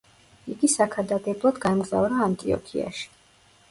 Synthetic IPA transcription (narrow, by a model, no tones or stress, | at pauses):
iɡisakʰad̪ad̪ɛblˠad̪ɡaɛmɡza̰vɾaːnt̪ʼiɔ̰pʰia̰ʃi̥